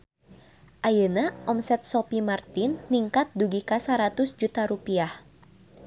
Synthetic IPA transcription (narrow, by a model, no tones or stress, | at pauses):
ʔajənaʔɔmsɛt̪̚sɔpimart̪ɪnːiŋkat̪̚duɡikasaɾat̪ʊsd͡ʒut̪aɾupiah